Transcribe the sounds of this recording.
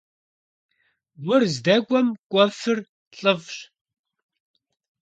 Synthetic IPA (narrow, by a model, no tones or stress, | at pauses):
wʊrzdɐkʷʼɐmkʷʼɐfɨr | ɬʼɨvɕ